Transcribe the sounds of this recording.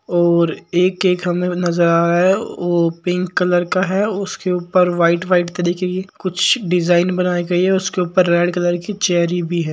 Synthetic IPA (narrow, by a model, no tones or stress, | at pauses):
ɔːɾeːkeːkɦɐmẽnɐzəɾaːɾaɦɛʋopɪ̃ŋkːɐləɾkaɦɛʊskeuːpəɾʋaːɪʈʋaːɪʈt̪ɐɾiːkekikʊt͡ʃʰɖɪzaːɪnbɐnaːiɡɐiɦɛʊskeuːpəɾːɛːɖkɐləɾkit͡ʃɛːɾibʱiɦɛː